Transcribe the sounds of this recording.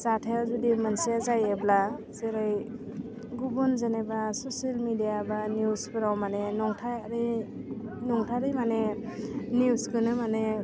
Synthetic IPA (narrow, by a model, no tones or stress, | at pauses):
satʰajazudimansijazajeblaseɾɯj | ɡubɔnzanebasɔsalmidijabanjuskʰɯɾawmanenɔŋtʰaɾi | nɔŋtʰaɾijmane | njuskɯnɯmane